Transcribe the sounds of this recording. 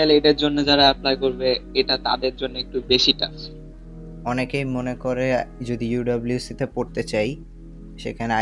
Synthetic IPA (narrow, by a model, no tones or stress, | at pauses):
aleʈeɾd͡ʑonːed͡ʑaɾaɛplajkoɾbeeʈat̪a̰d̪eɾd͡ʑonːoek̚ʈubeʃiʈa̰ | ɔnekejmonekoɾed͡ʑod̪ijuɖɔbljusit̪epoɾt̪et͡ɕaj | ʃḛkʰanea